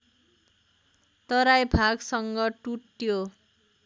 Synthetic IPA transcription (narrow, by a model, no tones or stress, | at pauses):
t̪ʌɾajbʱaɡsʌŋɡʌʈuʈjo